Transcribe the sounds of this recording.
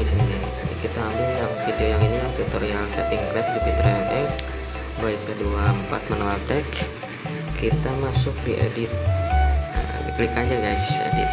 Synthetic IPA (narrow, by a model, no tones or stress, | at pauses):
isinnḭ | kit̪aːmbɪlapfidiojaŋiniat̪ut̪oɾialsapiŋklɛp̪̚dipit̪ɾaɛfɛk | baikəduaəmpa̰t̪̚mənoalt̪ɛkːʰ | it̪amasʊk̚dḭʔa̰dɪt̪̚ | ḭklikad͡ʒaɡajsə̰dɪ̰t̪̚